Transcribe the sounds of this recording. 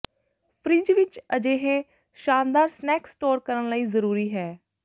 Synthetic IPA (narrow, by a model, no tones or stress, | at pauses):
pʰɾiːd͡ʒʋɪt͡ʃəd͡ʒeːɦẽː | ʃaːnd̪aːɾsnɛːksʈoːɾkəɾənləiːzəɾuːɾiːɦɛː